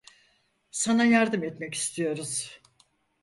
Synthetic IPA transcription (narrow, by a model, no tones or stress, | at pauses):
sanajaɾd̪ɯmɛt̪mɛci̥st̪ʰijo̞ɾuz̥